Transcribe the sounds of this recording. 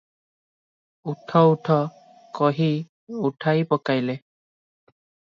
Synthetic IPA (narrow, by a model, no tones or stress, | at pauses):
utʰɔutʰɔ | kɔɦi | uʈʰajpɔkajlɛ